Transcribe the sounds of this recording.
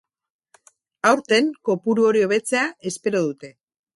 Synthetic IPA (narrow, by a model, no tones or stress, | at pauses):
awɾt̪e̞ŋko̞puɾuo̞ɾio̞β̞e̞t͡se̞ae̞spe̞ɾo̞ðut̪e̞